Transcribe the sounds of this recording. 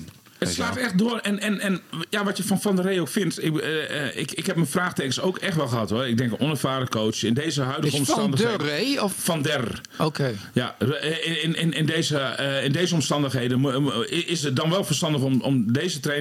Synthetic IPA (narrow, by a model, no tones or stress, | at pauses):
əttslaːtɛxt̚dʊərɛnɛnɛnjaʋɔtjəfɔnfɔndərejokfɪntɪɪ̰kɪkhɛpmənfraːxteːkənsoːkɛxtʋɛlˠxəɦatʋɔɪɡ̚dɛŋkɔnəfaːdəkoːt͡ʃɪndeːzəɦœɥdəɣəɔmsɑndəxeɔffɔndɛr | okʰeja | ɪnɪnɪndeːzəɪndeːzəɔmstɑndəxɦejdənɪɪsət̚dɔnʋɛlˠfərstɑndəxomɔ̰mdeːzətreː